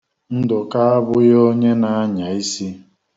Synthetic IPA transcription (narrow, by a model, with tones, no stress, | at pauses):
n̩˦dʊ˨ka˦a˦bʊ˦jo˦ɲe˦na˨a˦ɲa˨i˦si˦